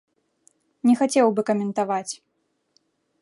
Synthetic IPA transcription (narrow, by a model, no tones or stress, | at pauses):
nʲɛxat͡sʲɛwbɨkɐmʲɛnt̪avat͡sʲ